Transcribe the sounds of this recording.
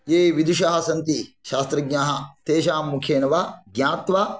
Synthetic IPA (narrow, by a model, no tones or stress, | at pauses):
jeːʋid̪uʃɐɦɐsɐnt̪iʃaːst̪ɾɐɡɲaːɦɐt̪eːʃaːmːukʰjeːnɐʋɐɡjaːt̪ʋa